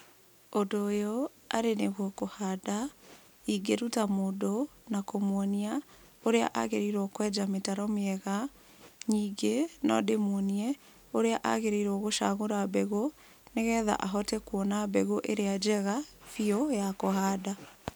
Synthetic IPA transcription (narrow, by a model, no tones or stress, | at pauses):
odoːjo | a̰ɾeneɣwɔkohada | iɡeɾutamoːdonakomwɔnia | oɾea̰ʔa̰ɣeɾeɾɔkwɛd͡ʒametaɾɔmeɛɣa | ɲiɡenɔ̰demwɔniɛ | oɾeaʔa̰ɣeɾeiɾɔɣoʃa̰ːɣoɾabɛɣo | neɣɛːða̰ʔaɦɔtɛkwɔnabɛɣoʔeɾead͡ʒɛɣafiɔjakoɦaːda